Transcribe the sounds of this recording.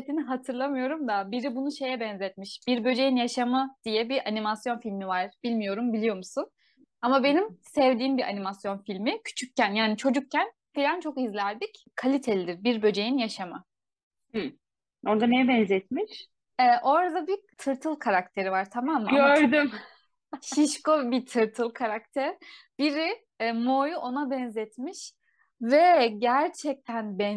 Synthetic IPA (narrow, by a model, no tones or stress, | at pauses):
t̪inɦat̪ʰɯɾlˠamɯjo̞ɾumd̪abiɾibunuʃe̞jɛbɛnzɛt̪̚miʃb̥iɾbø̞d͡ʒe̞jinjaʃamɯd̪̥ijɛbiʔanimasjo̞nfilʲmivaɾ̥b̥ilʲmijo̞ɾumbilʲijo̞musun | amabe̞nimsɛvd̪iːmbiʔa̰nimasjo̞nfilʲmicʰy̥t͡ʃʰyc̚cænjaːnit͡ʃʰo̞d͡ʒuk̚cʰːæn | filʲant͡ʃʰo̞kizlʲæɾd̪ic | kʰalʲit̪ʰe̞lʲid̪iɾbiɾbø̞d͡ʒe̞jinjaʃama | h̩ | oɾd̪anɛbɛnzɛt̪̚miʃ | ɛʔo̞ɾad̪abit̪ʰɯɾt̪ʰɯlˠkʰaɾakt̪ʰe̞ɾivaɾt̪ʰamamːaøɾd̪ym | ʃiʃkobit̪ʰɯɾt̪ʰɯlˠkʰaɾak̚t̪ʰæɾb̥iɾi | mojuʔo̞nabɛnzɛt̪miʃ | vɛɟæɾt͡ʃʰɛc̚t̪ʰænbɛn